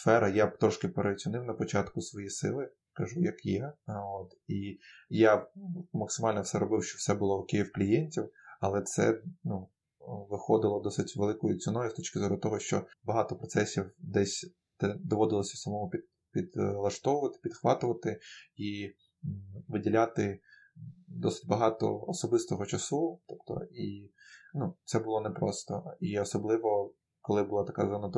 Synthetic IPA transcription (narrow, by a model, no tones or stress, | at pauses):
sfɛɾɐjat̪ɾɔʃkɪpeɾʔet͡sʲʊnɪwnɐpɔt͡ʃɑt̪kʊsʋɔjisɪ̰lˠɪ | kɐʒujɐkjɛot̪ijamɐksɪmɑlʲnɔwsɛɾɔbɪwʃt͡ʃɔwsɛbʊlˠɔʊkɪjiwklʲijenʲtʲiwɐlˠɛt̪sɛ̰nu | ʋɪxɔd̪ɪlˠɔd̪ɔsɪtʲʋelˠɪkʊjʊt͡sʲɔnɔjʊst̪ɔt͡ʃkɪzɔɾʊt̪ɔɦɔʃt͡ʃɔ̰bɐɦɑt̪ɔpɾɔt̪sɛsʲiwd̪ɛsʲ | t̪d̪ɔʋɔd̪ɪlˠɔsʲɐsɐmɔmʊpʲid̪ | pʲid̪lˠɐʃt̪ɔʋʊʋɐt̪ɪ̥pʲid̪xʋɑt̪ʊʋɐt̪ɪi | ʋɪdʲilʲat̪ɪ | d̪ɔsɪ̥tʲbɐɦɑt̪ɔ̰ːsɔbɪst̪ɔɦɔt͡ʃɐsut̪ɔpt̪ɔ̰inut̪sɛbʊlˠɔnɛpɾɔst̪ɔiɔsɔblˠɪʋɔ | kɔlˠɪbʊlˠɑt̪ɐkazɔnɐt̪